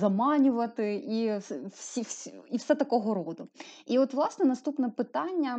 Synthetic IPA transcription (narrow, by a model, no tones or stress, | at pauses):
zɐmɑnʲʊʋɐt̪ɪisʲifsʲiwsɛt̪ɐkɔɦɔɾɔd̪ʊiɔt̪ʋlˠɑsnɛnɐst̪upnɛpɪt̪ɑnʲːɐ